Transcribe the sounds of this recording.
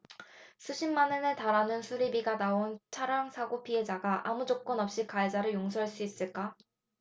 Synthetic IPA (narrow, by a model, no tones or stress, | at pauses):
sʰuɕʰimːanɯnetaɾanɯnsʰuɾibiɡanaont͡ɕʰaɾaŋsʰaɡopʰie̞d͡ʑaɡaʔamud͡ʑok͈ʌnʌp̚ɕ͈ikaed͡ʑaɾɯɭjoŋs̬ʰʌɭs͈uis͈ɯɭk͈a